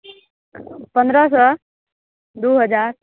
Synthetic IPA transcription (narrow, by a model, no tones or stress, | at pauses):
pənd̪ɾasə | d̪uːɦəd͡zaɾ